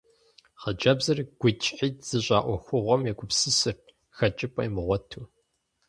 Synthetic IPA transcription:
χəd͡ʒɐbzɐrɡ̥ʷʊt͡ʃʼħiːtz̥ɨɕʼaːʔʷɔxʷʊʁʷɔmjɛɡʷʼʊpsɨsɨr | xɐt͡ʃʼɪpʰʼɐ̰jmɨʁʷɔtʰuː

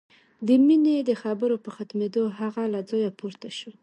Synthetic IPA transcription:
d̪əmined̪əxabəɾopəxat̪med̪oɦaɣalad͡zɑjapuɾt̪aʃu

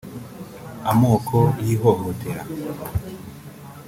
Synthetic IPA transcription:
amoːkʰojiːɦoɦotʰeɾa

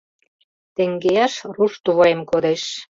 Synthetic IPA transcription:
t̪ĕŋɡeɑʃruʃt̪uβɑemkod̪eʃ

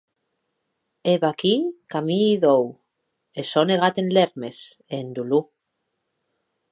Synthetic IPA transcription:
eβakikamiːðow | esoneɣ̞at̪enleɾmes | eːnd̪ulu

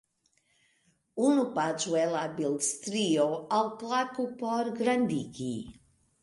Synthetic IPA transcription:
unupat͡ʃuɛlabilst̪ɾioalˠplakupɔɾɡɾand̪iki

